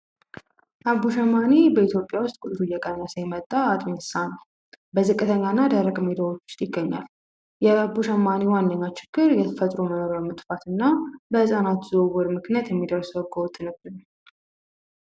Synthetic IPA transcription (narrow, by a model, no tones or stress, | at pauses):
ʔabːuʃəmːanibəit̪ʰjo̞pʼːjawʊst̪ʼkʼut̪ʼɾujɛkʼənːasəjmət̪ʼːaːt̪ʼmenɨ̥sanə | bəzɨkʼːɨt̪ʰəɲːanːad̪əɾəkʼmed̪awot͡ʃːjɪɡːəɲːa̰l | jɛabuʃəmːaniwanːəɲːat͡ʃɪɡ̥ːɨɾjɛt̪ʰəfət̪ʼɾoməno̞ɾjamɨt̪ʼfat̪ʰɨnːabəhɨsʼanat̪zowɔɾmɨknjat̪jɛmːid̪əɾsəɡowt̪ʼːɨnɨbɨn